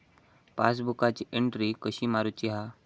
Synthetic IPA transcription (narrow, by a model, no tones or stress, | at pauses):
pasbukat͡ɕiʔeɳʈɾikəɕiːmaɾut͡ɕiɦa